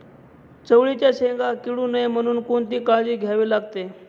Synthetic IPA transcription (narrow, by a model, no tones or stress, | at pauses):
t͡səʋɭit͡ɕjaɕẽŋɡakiɽuːnəem̤əɽ̃uːnkont̪iːkad͡ʑiːɡʱjaʋiːlaɡ̚t̪e